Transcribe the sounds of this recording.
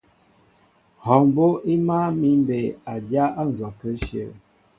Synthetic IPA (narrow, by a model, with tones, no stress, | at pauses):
hɔ˨m˦bo˦i˦ma˦mi˨˦m˦be˨a˨dja˦ʔa˦n̩˨zɔ˨kə˦ʃə̰˦˨